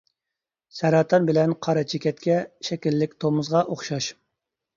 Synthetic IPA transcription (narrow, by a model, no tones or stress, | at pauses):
sɛɾɑt̪ʰɑnbɪlɛnqʰɑɾɑt͡ʃʰekʲɛt̪kʲɛʃɛkʲilːɪkʲt̪ʰomʊzʁɑʔoχʃɑʃ